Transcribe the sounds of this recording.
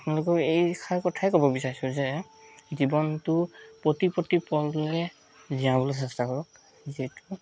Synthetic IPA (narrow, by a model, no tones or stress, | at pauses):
apnɛlɔkɔejkʰaɹkɔtʰajkɔbɔbisaɹisɔzɛ | zibɔntʊpɹɔtipotipɔlɛ | ziãbɔlɔs̬ɛstakɔɹɔk | zetu